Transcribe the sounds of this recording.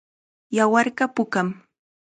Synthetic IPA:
jawɑɾɢɑpʊkam

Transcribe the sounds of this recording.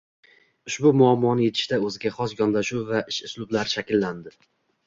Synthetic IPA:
ʊʃbʊmʊamːɒnɪje̞t̪ʰɪ̥ʃt̪aɵzɪɡʲaχɒsɡɒnlaʃuwvaʔɪʃʊslˠʊblaɾɪʃakʲɪlːand̪ɪ

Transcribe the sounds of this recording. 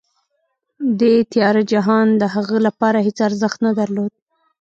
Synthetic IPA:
d̪et̪ɪjɑɾad͡ʒaɦɑnd̪əɦaɣəlapɑɾaɦet͡saɾzəxt̪nad̪aɾlod̪̚

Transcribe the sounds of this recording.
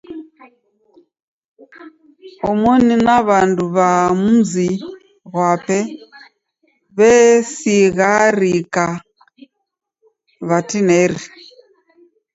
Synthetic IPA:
ɔmoninaβanduβamuzi | ɣwapɛ | βɛsiɣaɾika | βatinɛɾi

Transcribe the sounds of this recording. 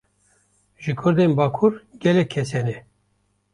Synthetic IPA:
ʒɨkʰʊɾd̪enbaːkʰuɾɡʲɛlɛkʲʰːɛsɛnɛ

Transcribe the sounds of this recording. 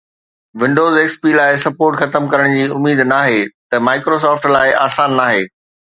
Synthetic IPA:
ʋɪ̃ɳɖoːzeːkspiːlaːɪsɐpoːɾʈxɐt̪əmkɐɾəɽ̃d͡ʑiːʊmiːd̪naːɦet̪ɐmaːɪkɾoːs̬ɔːfʈlaːɪʔaːsaːnːaːɦeː

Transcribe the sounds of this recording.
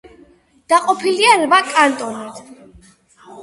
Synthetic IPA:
d̪̥aqʼɔpʰiliaɾvakʼant̪ʼɔnad̪̥

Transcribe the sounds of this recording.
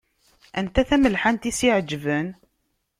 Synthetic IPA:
ʔænt̪æθæməlħant̪isiʕəd͡ʒːvən

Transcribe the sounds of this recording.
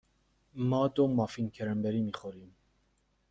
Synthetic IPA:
mɑːd̪omɑfinkʰɛɾɛmbɛɾimiχoɾim

